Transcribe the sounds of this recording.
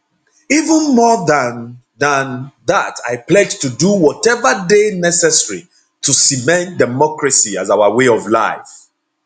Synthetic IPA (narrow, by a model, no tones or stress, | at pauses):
ivə̃nmɔðãn | ðãnðatʰaɪplɛd͡ʒtuduwɔtɛvədenɛsɛsəɹi | tʰusimɛ̃nt̚dɛmɔkɹasiazawəweɔvla̰ɪf